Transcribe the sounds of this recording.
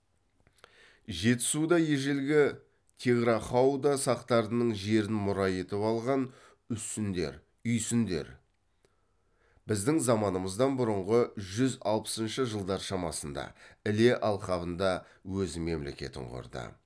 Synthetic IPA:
ʒe̞t̪ɪ̥sud̪ɑje̞ʒelɡʲɪ | t̪ʲʰeɡɾɑχɑwd̪ɑsɑqt̪ɑɾənəɴʒe̞ɾɪnmʊɾɑje̞t̪ɪpɑlˠʁɑn | ʏsɪnd̪e̞̰ɾ | ʏjsɪnd̪e̞̰ɾ | bɪzd̪ɪŋzɑmɑnəməzd̪ɑnbʊɾəɴʁəʒʏzɑlˠpə̥sənʃəʒəlˠd̪ɑɾʃɑmɑsənd̪ɑ̰ɪle̞ʔɑlˠχɑβənd̪ɑ | wɵzme̞mle̞̰kʲe̞̰t̪ɪ̰ɴqʰʊ̰ɾd̪ə̰

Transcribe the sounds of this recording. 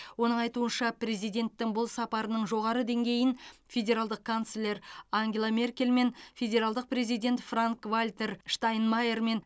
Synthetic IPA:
wo̞nəɴɑjt̪uənʃɑpɾe̞zijd̪ʲe̞nt̪ːɪŋbʊlˠsɑpɑɾənəɴʒo̞ʁɑɾəd̪e̞ŋɡʲe̞jɪnfʲe̞dʲe̞ɾalˠd̪əq̚kʰant̪slʲːe̞ɾaŋɡʲe̞lˠame̞rkʲe̞lme̞nfʲe̞dʲe̞ɾalˠd̪əq̚pɾe̞zijd̪ʲe̞nt̪fraŋkvalʲt̪e̞ɾʃt̪ajnmaje̞rme̞n

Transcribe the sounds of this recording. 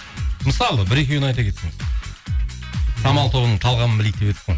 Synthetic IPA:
məsɑlˠəbɪɾe̞kʲewnɑjt̪ɑkʲʰe̞t̪seŋɪz | sɑmɑlˠt̪ʰo̞βənəɴt̪ʰɑlˠʁɑmənbɪlek̚d̪e̞pet̪ɪ̥seŋ

